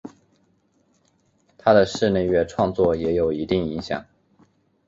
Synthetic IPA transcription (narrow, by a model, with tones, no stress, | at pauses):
t̪ʰa˥d̪ə˨ʂɻ̩˥˧ne˥˧ɪɥɛ˥˩ʈ͡ʂʰwɑ˥˧ŋt͡swɔ˥˩jɛ˧˥jo˨˩ʊi˧˥t̪i˥˩ŋi˧˥ŋɕjɑ̰˨˩˦ŋ